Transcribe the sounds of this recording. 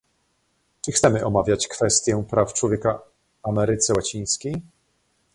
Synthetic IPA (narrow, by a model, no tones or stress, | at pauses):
t͡ʂɘxt̪sɛmɘʔɔmavʲjat͡ɕkfɛst̪ʲjɛpɾʔaft͡ʂwɔvʲjɛka | amɛɾɘt̪sɛwat͡ɕĩj̃skʲej